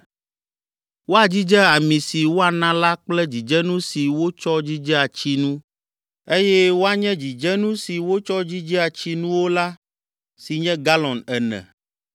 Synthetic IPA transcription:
wo˦a˨d͡ʑi˦d͡ʒɛ˦a˨mĩ˨si˨wo˦a˨nã˦la˦k͡plɛ˦d͡ʑi˨d͡ʒɛ˦nũ˦si˨wo˦t͡ʃɔ˦d͡ʑi˦d͡ʒɛ˦a˨t͡ɕi˦nũ˦ | e˦jɛ˦wo˦a˦ɲɛ̃˦d͡ʑi˨d͡ʒɛ˦nũ˦si˨wo˦t͡ʃɔ˦d͡ʑi˦d͡ʒɛ˦a˨t͡ɕi˦nũ˦wo˦la˦ | si˨ɲɛ̃˦ɡa˦lɔ̃˨nɛ˨nɛ̰̃˨

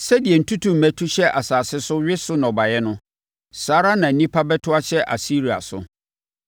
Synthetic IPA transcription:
sɛ˦di˨ɛ˨n̩˦tʰu˦tʰu˨m̩˨mæ̃˦tʰu˦ɕɛ˦ʔa˨saː˨sɪ˦sʊ˦ɥɪ˦sʊ˦nɔ˨ba˨jɛ˦nʊ̃˦ | saː˦ɾa˦nã˨˦nĩ˦pʰa˦bɛ˦tʰʊ˦a˦ɕɛ˦ʔa̰˨si˦ɾi˨a̰˨sʊ̰˨

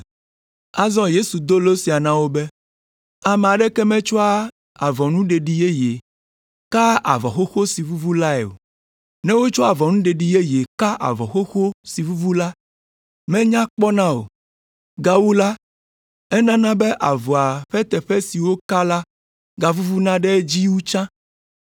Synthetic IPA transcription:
a˦zɔ̃˦je˦su˨d̪o˦lo˦si˨a˨nã˦wo˦bɛ˦ | a˨mɛ̃˨a˨ɖɛ˦kɛ˦mɛ̃˦t͡ʃɔ˦a˦ | a˨vɔ˨nũ˦ɖe˨ɖi˨je˦je˨ | ka˦a̰˨vɔ̰˨xo˦xo˦si˨vu˦vu˦la˦ḛ˨o̰˨ | nɛ̃˦wo˦t͡ʃɔ˦a˨vɔ˨nũ˦ɖe˨ɖi˨je˦je˨ka˦ʔa̰˨vɔ˨xo˦xo˦si˨vu˦vu˦la˦ | mɛ̃˦ɲã˦k͡pɔ˦nã˦o̰˨ | ɡa˨wu˦la˦ | ɛ˦nã˦nã˦bɛ˦ʔa˨vɔ˨a˨ɸɛ˦t̪ɛ˨ɸɛ˦si˨wo˦ka˦la˦ | ɡa˨vu˦vu˦nã˦ɖɛ˦d͡ʑi˦wu˦t͡ʃã˦

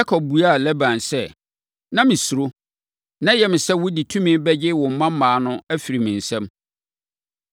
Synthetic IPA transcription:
a˦kʰɔ˨b̚bu˨a˦˨lɛ˦bã˨nsɛ˦ | nã˦mɪ̃˨su˨ɾo˦ | nã˦jɛ˨mɪ̃˨sɛ˦wʊ˦di˨tʰũ˦mĩ˦bɛ˦d͡ʑɪ˦wʊ̃˨m̩˨˦mã˦m̩ː˦ãː˨˦nʊ̃˦æ˦fi˨ɾi˨mɪ̃˨n̩˨sɛ̃˦m

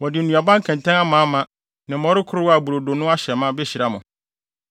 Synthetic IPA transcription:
wɔ˨dɪ˨n̩˨nũ˨a˨bã˦ŋ̩˦kʰɛ̃˨ntʰɛ̃˦na˦mã˨˦mã˦ | nɪ̃˨mɔ̃˦ɾɪ˦kʰʊ˦ɾʊ˦wa˨bu˨ɾo˨do˨nʊ̃˦a˦ɕɛ˨mã˦be˦ɕi˨ɾa˦mʊ̃˨

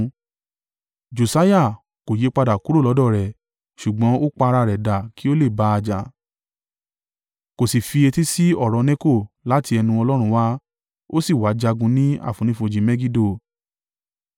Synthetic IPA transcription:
d͡ʒo˨sa˦ja˦˨ | ko˨je˨˦k͡pa˧da˨ku˨˦ɾo˦˨lɔ˨˦dɔ˦˨ɾɛ˨ | ʃu˨ɡ͡bɔ̃˨˦o˦k͡pa˧ɾa˧ɾɛ˨da˨ki˦o˦le˦˨ba˨˦a˧d͡ʒa˨ | ko˨si˨fi˧e˧ti˦si˦ɔ˦˨ɾɔ˨˧nẽ˦ko˦˨la˨˦ti˧ɛ˧nũ˧ɔ˧lɔ˦ɾ̃ũ˧wa˦ | o˦si˦˨wa˨˦d͡ʒa˧ɡũ˧˦nĩ˦a̰˦˨fũ˨nĩ˨˦fo˧d͡ʒĩ˨˦mɛ˦ɡi˦do˦˨

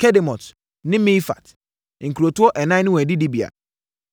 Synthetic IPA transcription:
kʰɛ˦dɛ˨mɔ̃˨t | nɪ̃˦mĩ˦fa̰˨t | ŋ̩˨kʰu˨ɾo˨tu˦ɔ˦ʔɛ˨nã˦nɪ̃˦wɛ̃˨dɪ˦di˦bi˨a̰˨

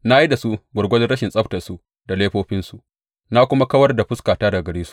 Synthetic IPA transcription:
na˦ji˦da˨su˦ɡʷʊ˨ɡʷɐ˦lɪ˦ɐ˦ʃɪ˨nsʼɐ˦ɸtɐ˨su˦ | da˨leː˦ɸoː˦ɸɪ˦nsu˨ | na˦kʷʊ˦ma˦kɐ˦wɐ˦rda˨ɸʊ˦skaː˨taː˦da˨ɡɐ˨ɽeː˦su̥˦ʔ

